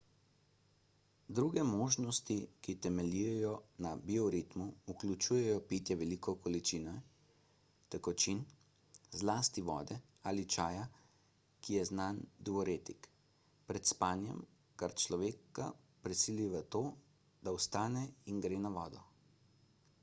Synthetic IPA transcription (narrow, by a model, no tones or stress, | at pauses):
d̪ɾuːɡɛmoːʒnɔst̪ikit̪ɛmɛlijɛjɔnabiɔɾit̪muuklʲut͡ʃuːjɛjɔpit̪jɛʋɛlikɔkɔlit͡ʃiːnɛ | t̪ɛkɔt͡ʃin | zlaːst̪iʋɔ̰ːd̪ɛ | aːlit͡ʃaːja | kijɛznand̪uɔɾeːt̪ik | pɾɛt̪spaːnjɛ̰m | kaɾt͡ʃlɔʋeːka | pɾɛsiliʋat̪oː | d̪awst̪aːnɛinɡɾeːnaʋɔːd̪ɔ